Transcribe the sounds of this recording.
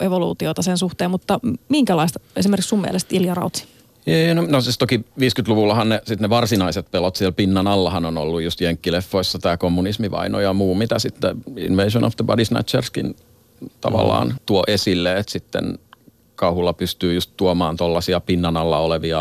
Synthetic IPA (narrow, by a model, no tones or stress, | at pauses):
ʔeʋolṵːt̪iot̪ɑsensuht̪eːmmut̪ːɑmiŋkælɑist̪esimeɾrksumiḛlest̪iljɑrɑ̰ut̪si̥ | eːnonosist̪okiʋiːskyt̪luʋulːɑhɑnnesit̪neʋɑrsinɑiset̪̚pelot̪siɛlpinːɑnɑlːɑhɑnono̰lːujjust̪jeŋkːilefːoisːɑt̪æːkomːunismiʋɑ̰ino̰jɑmuːmit̪æsit̪ːeḭnʋeiʃono̰fd̪əbɑ̰disnæ̰t̪t͡ʃerskin | t̪ɑ̰ʋɑ̰lːˑɑ̰ːnt̪uoʔesilːeet̪sit̪ːḛn | kɑuhulːɑpyst̪yːjust̪t̪uomɑːnt̪olːɑsiɑpinːɑnɑlːɑoleʋiɑ